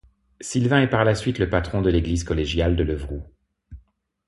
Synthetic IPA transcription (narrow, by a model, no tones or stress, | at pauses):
silvɛ̃ɛpaʁlasɥit̪ləpat̪χɔ̃d̪əleɡlizkɔleʒjald̪ələvʁu